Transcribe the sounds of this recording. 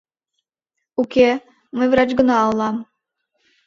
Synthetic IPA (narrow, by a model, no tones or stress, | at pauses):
ukʲe | məjvɾɑt͡ɕɡə̆nɑːlˠːɑm